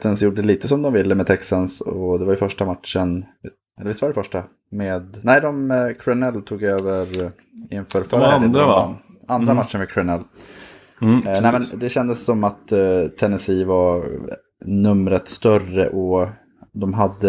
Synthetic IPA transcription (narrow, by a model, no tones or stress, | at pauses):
t̪ɛnsjuːɖəɛliːt̪əsɔmd̪ɔmvɪlːəmeːd̪̚t̪ʰɛksansɔd̪ɛvaɾjɵfœʂʈamat̪ʂən | ɛlːɾɪst̪ːvaɾɖɛəfœʂʈa | meːd̪næɪd̪ɔmkʰɾɛnɛlːt̪ʰuːɡøːvəɾ | ɪnfœːɾfœːɾaæd̪̰nand̪ɾamat̪ʂəɳvɛd̪kʰɾɛnɛlː | nɛɪmɛnd̪ɛɕɛnd̪əsːɔmat̪ʰːɛnːɛsiːvaɾ | nɵmɾət̪st̪œrə̰ʔɔ | d̪ɔmɦad̪ːə